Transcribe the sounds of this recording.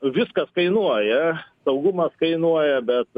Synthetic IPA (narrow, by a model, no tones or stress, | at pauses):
ʋʲɪskɐskɐɪnuɔjɛsɐʊɡʊmɐskɐɪnuɔjɛbʲɛt̪